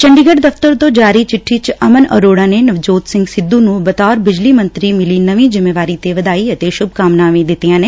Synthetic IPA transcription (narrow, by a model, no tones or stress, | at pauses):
t͡ʃəɳɖiːɡəɖd̪əft̪əɾt̪õːd͡ʒaːɾiːt͡ʃɪʈʰːiːt͡ʃəmənə̰ɾoːɽãːneːnəʋd͡ʒoːt̪sɪ̃ŋɡsɪd̪ːuːnũːbət̪aːɾbɪd͡ʒliːmə̃nt̪ɾiːmɪliːnəʋĩːd͡ʒɪmːeːʋaːɾiːt̪eːʋəd̪aːiːət̪eːʃʊb̚kaːmnãːʋĩːd̪ɪt̪ːijãːneː